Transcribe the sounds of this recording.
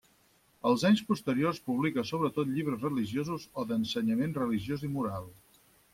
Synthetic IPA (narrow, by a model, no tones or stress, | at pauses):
əlˠzaɲspust̪əɾiorspuβlikəsoβ̞ɾət̪ot̪ʎiβ̞ɾəzrəliʒiozuzoðənsəɲəmenrəliʒjozimuɾalˠ